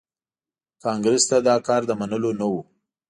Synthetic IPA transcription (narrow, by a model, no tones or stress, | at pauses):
kɑŋɡɾɪst̪ad̪ɑkɑɾd̪əmanəlonawu